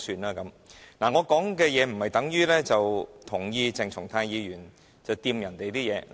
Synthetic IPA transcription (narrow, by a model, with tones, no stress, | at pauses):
syː˧nlaː˥kɐ˨˥m | naː˨˩ŋɔː˨˧kɔː˨˥ŋkɛː˧jɛː˨˧m̩˨˩hɐ˨jt̪ɐ˨˥ŋjyː˥lɛː˥t͡sɐ˨wt̪ʰʊ˨˩ŋjiː˧t͡sɪ˨ŋt͡sʰʊ˨˩ŋt̪ʰaː˧njiː˨˧jyː˨˩n | t͡sɐ˨wt̪iː˧mjɐ˨˩nt̪e˨jt̪iː˥jɛː˨˧